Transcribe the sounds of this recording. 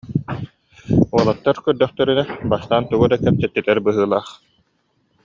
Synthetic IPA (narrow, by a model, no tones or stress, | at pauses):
uɔlˠat̪ːaɾkœɾd̪œχt̪ɛɾynɛbast̪aːnt̪uɡud̪akɛp̚sɛt̪ːit̪ɛɾbɯɦɯːlˠaːχ